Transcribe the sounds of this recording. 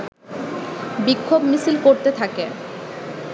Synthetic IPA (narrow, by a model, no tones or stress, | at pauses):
bikʰːobmisilkoɾt̪et̪ʰake